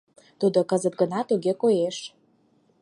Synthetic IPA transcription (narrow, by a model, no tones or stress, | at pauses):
t̪ud̪okəzət̪̚ɡənɑt̪uɣekojeʃ